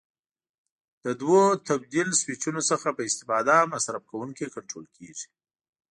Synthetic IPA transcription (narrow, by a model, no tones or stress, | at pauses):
d̪̥əd̪wot̪abd̪ilswɪt͡ʃunosəxapəɪst̪ɪfɑd̪amasɾab̚kawuŋkikaɳʈɾo̰lkʰeʐi̥